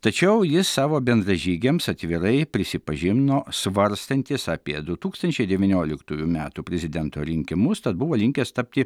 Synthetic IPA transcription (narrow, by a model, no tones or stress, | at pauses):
t̪ɐt͡ʃʲɛʊjɪsɑːʋoːbʲɛnd̪ɾɐʒʲiːɡʲemsɐt̪ʲʋʲɪɾɐɪpʲɾʲɪsʲɪpɐʒʲɪmnoːsʋɐɾst̪ɐnʲt̪ʲɪsɑːpʲiɛd̪ʊt̪uːkst̪ɐnʲt͡ʃʲɛɪd̪ʲɛʋʲɪnʲoːlʲɪkt̪uːjumʲæːt̪uːpʲɾʲɛzʲɪd̪ʲɛnt̪oːɾʲɪŋʲkʲɪmʊst̪ɐt̪̚bʊʋoːlʲɪŋʲkʲɛst̪ɐp̚ʲt̪ʲɪ